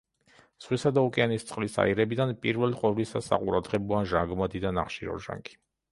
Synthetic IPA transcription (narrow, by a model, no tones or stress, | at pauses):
z̥ʁwisad̪aukʼɛanist̪sʼqʼlisa̰iɾɛbid̪anpʼiɾvɛliqʼwɛvlisasa̰qʼuɾad̪ʁɛbɔaʒaŋɡmad̪id̪anaχʃiɾɔ̰ɾʒa̰ŋɡi̥